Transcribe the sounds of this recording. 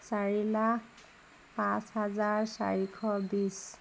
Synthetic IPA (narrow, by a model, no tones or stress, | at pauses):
saɹilak | pãshazaɹsa̰ɹikʰɔbis